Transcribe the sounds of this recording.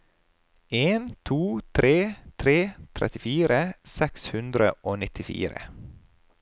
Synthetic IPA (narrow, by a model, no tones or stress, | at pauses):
eːnt̪ʰuːt̪ʰɾʔeːt̪ʰɾeːt̪ʰɾɛ̰t̪ɪfiːɾəsɛkshʉnd̪ɾə̰ʔoːnɪt̪ʰɪfḭːɾə̰